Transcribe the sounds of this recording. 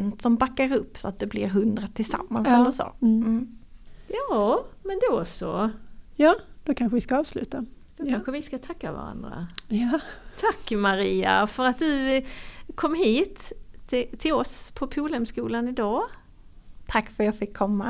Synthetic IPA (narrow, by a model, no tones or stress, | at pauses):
nt̪sɔmbakːaɾɵpːsɔat̪̚d̪ɛblɪɾɦɵnd̪ɾat̪ʰːɪlsa̰mːanssɛɔsɔ̰ː | jɑːmɛnd̪osɔ̰jɑːd̪̥ɔkʰanɧəvɪskaɑːvslʉ̟ːt̪a | d̪̥ɔkʰanɧəvɪskat̪ʰakːava̰ɾa̰nd̪ɾa̰ | t̪ʰakːmaɾiːa̰fœɾat̪̚d̪ɵ | kʰɔmːɦiːt̪ɪt̪ʰːɪlɔspʰɔpʰuːlɛmskuːlanɪd̪ɑː | t̪ʰakːfœɾjɑːfɪkʰːɔmːa